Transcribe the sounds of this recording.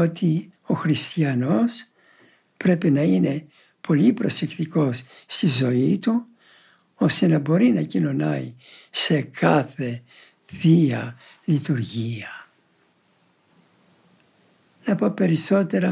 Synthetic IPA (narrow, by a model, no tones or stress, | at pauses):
o̞t̪i | o̞xɾist̪iɐno̞s | pɾe̞pinɐine̞ | pʰo̞lipɾo̞se̞kt̪iko̞sː | t̪izo̞it̪u | o̞st̪e̞nɐbo̞ɾinɐcino̞nɐi | se̞kɐθe̞ | ðiɐ | lit̪uɾʝiɐ | nɐpo̞pe̞ɾiso̞t̪e̞ɾɐ